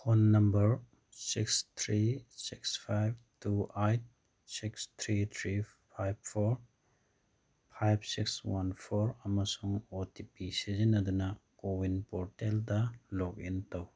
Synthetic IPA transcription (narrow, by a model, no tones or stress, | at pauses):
honːɐmbɐɾ | sikst̪ʰɾisikspʰajb̚tuajt̚ | sikst̪ʰɾit̪ʰɾi | pʰajb̚pʰːoɾ | pʰajb̚sikswanpʰoɾɐmɐsuŋotipisizinːɐdunɐkowinpoɾteldɐlok̚intɐw